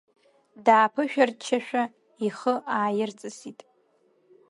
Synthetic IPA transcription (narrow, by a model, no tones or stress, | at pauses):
daːpʰɨʃᶣart͡ʃʰaʃᶣa | iχəʔaːjɪrt͡sʼɨsitʼ